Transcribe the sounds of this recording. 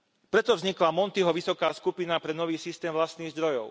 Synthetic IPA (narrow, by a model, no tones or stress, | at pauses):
pɾɛt̪ɔvzɲiklamɔnt̪iɦɔʋisɔkaːskupinapɾɛnɔʋiːsist̪ɛːmʋlast̪niːɣzd̪ɾɔjɔʊ